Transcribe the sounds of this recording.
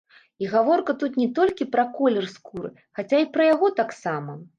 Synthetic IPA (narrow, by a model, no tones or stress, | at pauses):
iɣavɔrkɐt̪ut̪nʲɛt̪ɔlʲkʲipɾɐkɔlʲɛrskuɾɨ̰ | xat͡sʲaipɾɐjaɣɔt̪aksamɐ